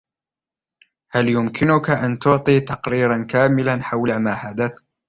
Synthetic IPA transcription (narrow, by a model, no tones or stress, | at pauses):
haljʊmkʰɪnʊkaʔant̪ʊʕt̪ˤiːt̪ɑqɾiːɾankaːmɪlanħawlamaːħad̪aθ